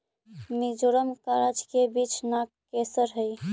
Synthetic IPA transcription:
mid͡ʒoɾəmkaɾad͡ʒkebit͡ʃʰnakkːesəɾɦəj

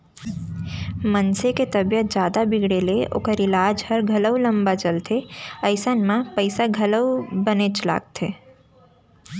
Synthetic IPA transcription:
mənseket̪əbjət̪̚d͡ʒjaːd̪abɪɡɽeleo̰ːkəɾɪlaːd͡ʒhəɾɡʱɐləwlə̃mbat͡ʃəlt̪ʰeəɪsənmãpəɪsaɡʱələwbənet͡ʃla̰ːɡ̚t̪ʰeː

